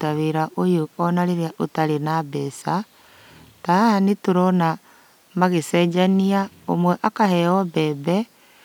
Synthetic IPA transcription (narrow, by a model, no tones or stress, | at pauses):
taβeɾaʔojoɔnaɾeɾeaʔotaɾenabɛsa | taanituɾɔna | maɣesɛd͡ʒaniaomwɛʔakahɛɔbɛːbɛ